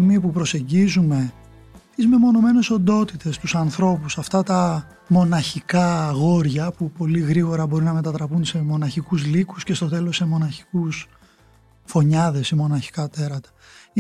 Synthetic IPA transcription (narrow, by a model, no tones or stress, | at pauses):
mipupɾo̞se̞ɲɟizume̞ | t̪izme̞mo̞no̞me̞ne̞so̞nd̪o̞t̪it̪e̞st̪usɐnθɾo̞pusɐft̪ɐt̪ɐ | mo̞nɐçikɐɣo̞ɾʝɐpupo̞liɣɾiɣo̞ɾɐbo̞ɾinɐme̞t̪ɐt̪ɾɐpunse̞mo̞nɐçikuzlikusce̞st̪o̞t̪e̞lo̞se̞mo̞nɐçi̥kus | fo̞ɲɐðe̞simo̞nɐçi̥kɐt̪e̞ɾɐt̪ɐ̥